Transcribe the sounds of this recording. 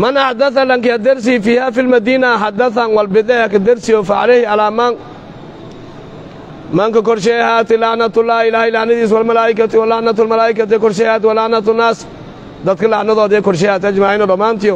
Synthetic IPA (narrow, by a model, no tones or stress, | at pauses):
manaħd̪ɐθalaŋkɪjad̪ɐɾs̬ɪfiːhaːfilmɐd̪iːnaħad̪ɐθanwɐlbɪd̪ɛhakad̪ɪɾsɪjɔfaʕalɛhɪalaːmaːn | maːŋkɐkɔɾʃɛhaːt̪ɪlɑʕnɐt̪ʊlːaːhɪlaːhɪlaʕnɐðiːswalmɐlaːʔɪkat̪ɪwalɑʕnɐt̪ʊlmɐlaːʔɪkat̪ɪkɔɾʃɛhaːt̪̬ɪwalɑʕnat̪ʊnːaːs | d̪ɐd̪kʰɐlɑʕnɐðɔːðɛkɔrʃ̬ɛhaːt̪ad͡ʒmaːʕɪnɐdɐmaːnt̪ɪjɔ